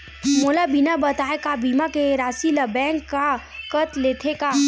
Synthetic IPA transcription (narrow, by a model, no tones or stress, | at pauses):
moːlabinabɐt̪aːekabiːmakeɾaːsilɐbɛ̃ːŋkːakɐt̪leːt̪ʰekaː